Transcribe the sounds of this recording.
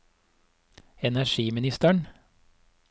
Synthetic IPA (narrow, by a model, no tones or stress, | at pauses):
ɛnæʃiːmɪnɪst̪əɳ